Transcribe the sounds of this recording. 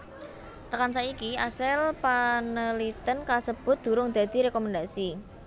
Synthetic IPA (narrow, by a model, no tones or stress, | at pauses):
t̪əkansaikiasɪlpanəlit̪ənkasəb̥ʊ̤t̪̚d̪̥ṳɾʊŋd̪̥ä̤d̪̥i̤ɾekɔmand̪asi